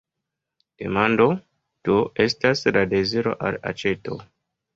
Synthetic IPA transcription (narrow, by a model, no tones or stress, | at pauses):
d̥e̞̰mando̞ | d̥oʔe̞staslade̞ziɾo̞̰ʔala̰t͡ʃe̞to̞̰